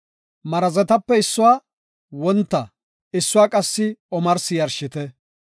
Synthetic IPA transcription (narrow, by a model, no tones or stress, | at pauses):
mɐɾɐzɛt̪ɐpːɛɪsːʊwaː | wɔnt̪ːɐ | ɪsːʊwaːkʼɐsːɪɔmɐɾsɪjɐɾʃɪt̪ɛ